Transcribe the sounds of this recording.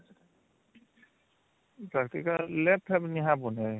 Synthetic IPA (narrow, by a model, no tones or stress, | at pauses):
pɹaktikalɛp̚ʰːɛpniɦãbɔnɛj